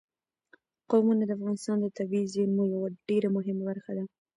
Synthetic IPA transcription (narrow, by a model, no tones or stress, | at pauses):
qomunad̪əafɣɑnɪst̪ɑnd̪ət̪abizimojawaɖeɾamʊɦɪmabaɾxad̪a